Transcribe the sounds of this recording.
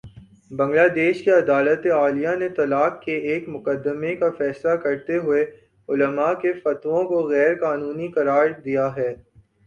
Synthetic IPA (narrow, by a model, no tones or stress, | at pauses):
bɐ̃ŋɡlaːd̪eːʃkeɐd̪aːlət̪eaːlijanet̪ɐlaːkkeeːkmʊqəd̪ːəmekafɛːslakɐɾt̪eɦʊe | ʊləmakefɐt̪ʋõkoɣɛːɾkaːnuːnikɐɾaːɾd̪ijaɦɛː